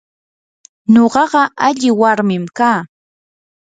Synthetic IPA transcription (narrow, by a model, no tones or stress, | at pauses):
ɲoɢɑɢɑʔaʎɪwaɾmɪmkaː